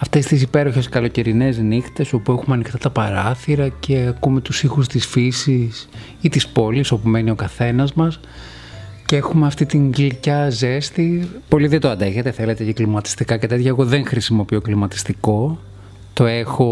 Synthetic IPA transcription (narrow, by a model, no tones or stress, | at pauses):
ɐft̪e̞st̪isipe̞ɾo̞çe̞skɐlo̞ce̞ɾine̞znixt̪e̞so̞puexumeɐnixt̪ɐt̪ɐpɐɾɐθiɾɐce̞ɐkumet̪usixust̪isfisis | it̪ispo̞liso̞pume̞nio̞kɐθe̞nɐzmɐs | ceexumeɐft̪it̪iŋɡlicɐze̞st̪ipo̞liðed̪oɐnd̪e̞xet̪eθe̞le̞t̪eceklimɐt̪i̥st̪ikɐce̞t̪e̞t̪çɐeɣo̞ðe̞ŋxɾisimo̞pio̞klimɐt̪i̥st̪iko̞ | t̪o̞exo̞